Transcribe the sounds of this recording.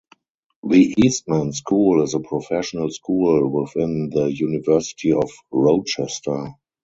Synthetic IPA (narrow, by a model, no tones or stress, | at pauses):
ðiʔiːst̚mæ̃nskʰuːlɪzəpʰɹɔfɛʃɔnəlskʰuːlwɪθɪ̃nðəjunɪvɜ˞sɪ̥tʰiɔfɹɔʊt͡ʃɛstʰə˞